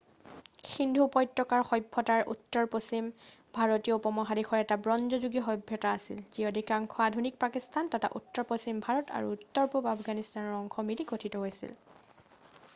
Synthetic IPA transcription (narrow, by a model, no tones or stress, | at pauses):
xindʱupɔjtɹɔkaɹxɔjbʱːɔtaɹʔṵtːɔɹposim | bʱaɹɔtijɔpɔmɔɦadixʰɔɹɛtabɹɔnzɔzuɡiɔxɔjbʱːɔtaːsḭlziɔdikaŋkʰɔadʱunik̚pakistʰantɔta̰ʔṵtːɔɹposimbʱaɹɔta̰ɹṵutːɔɹpupapɡanistanɔɹɔŋxʰɔmilikotʰitɔɦojsḭl